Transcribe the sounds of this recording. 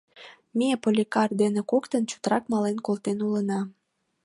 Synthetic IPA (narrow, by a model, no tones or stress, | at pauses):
miepolʲikɑrd̪enĕkokt̪ənt͡ɕu̥t̪əɾɑkmɑlenkolt̪enulənɑ